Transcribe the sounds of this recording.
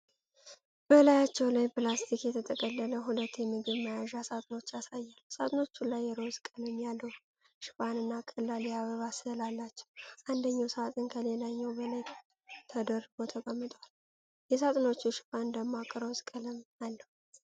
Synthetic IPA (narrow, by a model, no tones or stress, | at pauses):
b̥əlajat͡ʃːɛwlajpɨlast̪ʰikjɛt̪ʰət̪ʼəkʼəlːələɦulət̪ːjɛmɨɡɨβməjaʒasat̪ʼɨno̞t͡ʃːasajːalːsat̪ʼno̞t͡ʃːulajːɛɾozkʼəlɨmjalːəw | ʃɪ̥fʼanɨnːakʼəlːaljaβəβaslalːat͡ʃːɛ̥wʔand̪əɲːawsəat̪ʼɨnkʰəlelaɲːɛwbəlaj | t̪ʰəd̪əɾːɨɡo̞t̪ʰəkʼəmːɨt̪ʼwal | jɛs̬at̪ʼno̞t͡ʃːuʃɪ̥pʼand̪əmːoakʼɨɾəwzkʼəlɨmalːəw